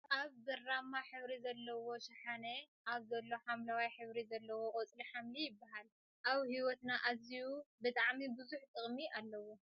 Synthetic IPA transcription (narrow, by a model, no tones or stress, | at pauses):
ʔaβbɨrːamːaħɨβɾizɐlːɐwo̞ʃɐħane | ʔaβzɐlːo̞ħamlawajħɨβɾizɐlːɐwokʼot͡sʼliħamlijɪbːaɦal | ʔaβhiwɔt̪naʔazijubɨt̪ʼaʕmibɨzuħt̪ʼɨχʼmiʔalːɐwo